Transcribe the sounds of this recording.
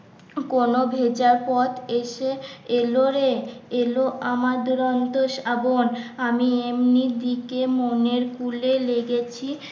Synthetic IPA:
konobʱed͡ʑaɾpɔt̪eʃeeloɾeeloʔamaɾd̪uɾont̪oʃabonamiemnid̪ikemoneɾkuleleɡet͡ɕʰi

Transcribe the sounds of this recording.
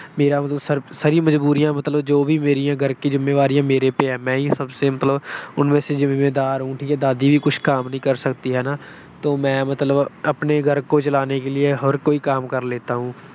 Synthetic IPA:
meːɾamət̪ləbsəɾsəɾĩməd͡ʒbuːɾijãmət̪ləbd͡ʒoːbʱimeːɾijãɡʱəɾkid͡ʒʊmːeːʋaːɾijãːmeːɾepeɦɛːmɛ̃ːisəbsemət̪ləbʊnmẽsezɪmeːd̪aːɾɦũʈʰikɛd̪aːd̪ibʱikʊt͡ʃʰkaːmnəɦĩkəɾsəkt̪iɦɛːnaː | t̪oːmɛ̃ːmət̪ləbəpneɡʱəɾkot͡ʃəlaːnekelieɦəɾkoːikaːmkəɾleːt̪aɦũː

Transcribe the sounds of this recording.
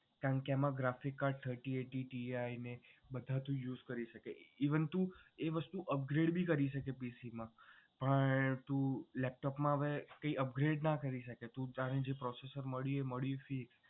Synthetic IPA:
kãkeamãɡɾafikːaɾɖ̚t̪ʰəɾʈieʈiʈiainebəd̪ʱat̪ũjuːzkəɾiʃəkeiʋənt̪ũeʋəst̪uʔəp̚ɡɾeɖbʱikəɾiʃəkepisimãpəɳt̪ũlɛp̚ʈɔpmãəʋekəiəpɡɾeɖnakəɾiʃəket̪ũt̪aɾed͡ʒepɾɔsesəɾməɭjueməɭjufik

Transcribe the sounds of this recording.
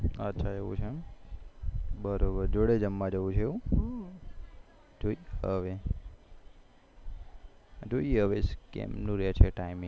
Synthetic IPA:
ətːʃʰaeʋṵ̃t͡ʃʰe | bəɾobəɾd͡ʒoɽed͡ʒəmːãd͡ʒəʋũt͡ʃʰeũ | d͡ʒoiəʋe | d͡ʒoiɦəʋeskḛmnũɾet͡ʃʰeʈaimĩ

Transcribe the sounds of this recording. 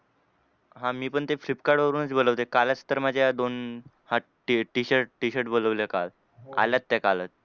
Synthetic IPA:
ɦãmiːpəɳt̪efɾipkaɾɽʋəɾuːnət͡sboləʋt̪ekalat͡st̪əɾmad͡ʑʱaad̪on | ha | ʈiʈiɕəɾʈʈiɕəɾʈ̚boləʋljakal | a̰ljat̪ːakalət̪̚

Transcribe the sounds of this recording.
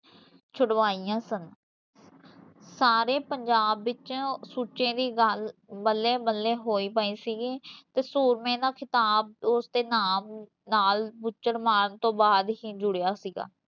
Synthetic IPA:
t͡ʃʰʊɽʋaːiːãːsən | saːɾeːpəɲd͡ʒaːbːɪt͡ʃãːsuːt͡ʃẽːd̪iːɡəlbəlːẽːbəlːẽːɦoːiːpaːiːsiːɡeːt̪eːsuːɾmẽːd̪aːkʰɪt̪aːb̚ʊsd̪eːnaːm | naːlbʊt͡ʃːəɽmaːɳt̪õːbaːd̪ɦiːd͡ʒʊɽejaːsiːɡa̰ː

